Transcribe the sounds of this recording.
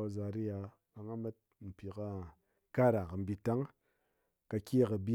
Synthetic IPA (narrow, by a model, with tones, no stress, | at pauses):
a˨za˨ɾi˦ja˨ | a˨ŋa˦ma˦t̚m̩˨pʲi˨ka˦ | ka˦˨ɾa˨ka˨m̩˨˦bi˧ta˦ŋ | ka˨˧kʲi˦˨kɐ˨bi˦